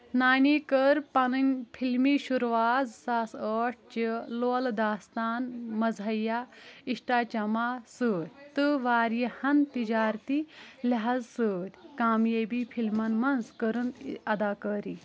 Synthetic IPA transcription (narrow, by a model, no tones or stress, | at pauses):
naːniːkəɾpɐnɐnʲpʰilmiːʃuɾʋaːzsasəːʈ̚ʰt͡ʃiloːld̪aːst̪aːnmɐzʱɐjaiʂʈaːt͡ʃɐmaːsəːɾʲt̪ɨʋaːɾjihɐnt̪id͡ʒaːɾt̪ilaɦazsɨːt̪ʲkaːmjebipʰilmɐnmɐnzkəɾɨnɐd̪aːkəːɾi